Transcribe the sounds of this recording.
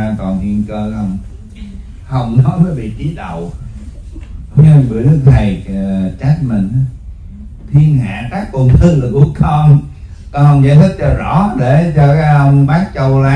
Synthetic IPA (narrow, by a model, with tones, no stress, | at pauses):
aː˧ŋt̪ɔ˨˩nhḭ˧˨ənkəː˧hə˧wŋ͡m | hə˧wŋ͡mnɔ˨˦jvəː˨˦jɓḭ˧˨t͡ɕi˨˦ɗə̰˨w | jmɨ̰˨˧˨əjɗɨ˦˥ək̚t̪ʰa˨˩jt͡ɕa˦˥t̚mï˨˩ŋ̟a˨˦ | t̪ʰi˧ənha̰ː˧˨t̪aː˦˥k̚ku˧˩nt̪ʰɨ˨˧lɨ˨˩ku˧˩əkʰɔ˧n | t̪o˧˨˦hə˧wŋ͡mza̰ː˧˦jt̪ʰi˦˥k̚t͡ɕɔ˧zɔ̰˧˩˥ɗe˧˩t͡ɕɔ˧kaː˨˦˥jʔə˧wŋ͡mɓaː˦˥k̚t͡ɕə˧wlaː˨˦